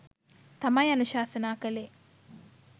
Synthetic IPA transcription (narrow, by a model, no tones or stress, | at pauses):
t̪ɐmɐjɐnuʃaːsɐnaːkəle